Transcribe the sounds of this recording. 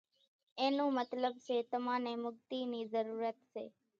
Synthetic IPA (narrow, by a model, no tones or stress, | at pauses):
eːnũːmət̪ləbt͡ʃeːt̪əmãːnẽːmʊɡt̪iːniːzəɾuːɾət̪ʃḛː